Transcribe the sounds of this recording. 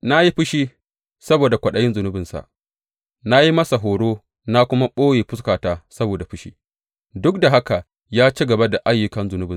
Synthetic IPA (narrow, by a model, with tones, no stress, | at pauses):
na˦ji˦ɸʊ˦ʃiː˦ | sɐ˦boː˨da˨kʷɐ˨ɗɐ˦jɪ˦nzʊ˨nʊ˦bɪ˨nsa̰˨ʔ | na˦ji˦mɐ˦sa˨ɦoː˨ɽoː˦ | na˦kʷʊ˦ma˦ɓoː˦jeː˨ɸʊ˦skaː˨taː˦˨sɐ˦boː˨da˨ɸʊ˦ʃḭː˦ | dʊ˦k̚da˨ɦa˦ka˨ | jaː˦t͡ʃi˦ɡɐ˨ba˦da˨ʔa˦jːʊ˨kɐ˦nzʊ˨nʊ˦bɪ˨